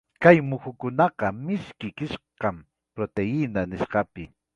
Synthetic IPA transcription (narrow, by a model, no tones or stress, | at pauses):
kajmʊxʊkʊnɑqɑmɪʃkɪkɪʃqɑm | pɾot̪eɪnanɪʃɢɑpɪ